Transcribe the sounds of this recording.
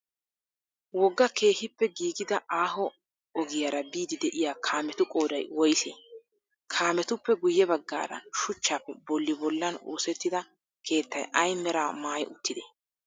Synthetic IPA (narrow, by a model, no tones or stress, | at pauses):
wɔɡːɐkʰe̞ːhɪpːɛɡiːɡɪd̪ɐaːɦɔ | ɔɡɪjaɾɐbiːd̪ɪd̪ɛʔɪjaːkʰaːmɛt̪ʊkʼo̞ːd̪ɐjwɔjseː | kʰaːmɛt̪ʊpːɛɡʊjːɛbɐɡːa̰ːd̪ɐ̰nʃʊt͡ʃːaːpːɛbɔlːɪbɔlːɐno̰ːsɛt̪ːɪd̪ɐ | kʰe̞ːt̪ːɐjʔɐjmɛɾaːmaːjʊt̪ːɪd̪e